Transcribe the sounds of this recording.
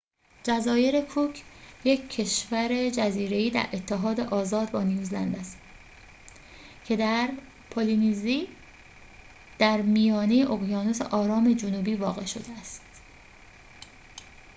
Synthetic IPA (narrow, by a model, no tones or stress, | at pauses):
d͡ʒæzɒːje̞ɾe̞kʰucʰje̞cʰːe̞ʃvæɾe̞d͡ʒæziːɾe̞iːd̪æ̰ɾʔe̞t̪ʰːe̞ɦɒːd̪e̞ʔɒːzɒːd̪bɒːnijuːzlænd̪æs | cʰe̞d̪æɾ | pʰoliniziː | d̪̥æɾmijɒːnejeʔoɣjɒːnose̞̰ʔɒːɾɒːme̞d͡ʒonuːbiːvɒːɣe̞̰ʃo̞d̪eæst̪